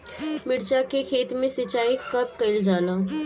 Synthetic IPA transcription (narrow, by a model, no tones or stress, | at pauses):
mɪɽt͡ʃakekʰeːt̪mẽsɪt͡ʃaːikɐp̚kɐɪld͡ʒaːlaː